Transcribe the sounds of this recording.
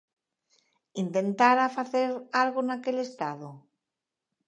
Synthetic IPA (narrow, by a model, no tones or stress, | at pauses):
int̪e̞nt̪aɾafaθeɾalɣonakele̞st̪aðo